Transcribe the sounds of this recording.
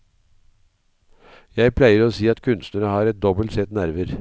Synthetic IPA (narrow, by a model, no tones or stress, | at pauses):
jæɪpʰlæɪəɾoːsiːɑt̪kʰʉnst̪nəɾəhɑːɾɛt̪̚d̪ɔbəlt̪sɛt̪næɾʋəɾ